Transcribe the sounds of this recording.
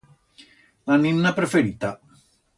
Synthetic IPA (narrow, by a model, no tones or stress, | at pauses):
laninːapɾefeɾit̪a